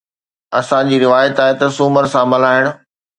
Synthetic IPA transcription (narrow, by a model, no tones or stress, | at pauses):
ɐsãd͡ʑiːɾɪʋaːjət̪aːɦet̪ɐsʊːməɾsãmɐlaːɦɪɽ̃ʊ̆